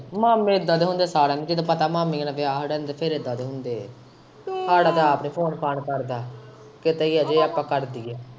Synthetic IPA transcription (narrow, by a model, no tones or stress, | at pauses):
maːmːẽːɪd̪ːaːd̪eːɦʊ̃nd̪eːsaːɾẽːnẽd͡ʒeːd̪aːpət̪aːmaːmẽːnaːʋɪaːɦɽɛːnd̪eːpʰɪɾɪd̪ːaːd̪eːɦʊnd̪eː | ɦaːɽaːd̪aːəpniːpʰoːnpʰaːnkəɾd̪aː | kɪt̪eːiːɛːd͡ʒeːaːpːãːkəɾd̪iːɛː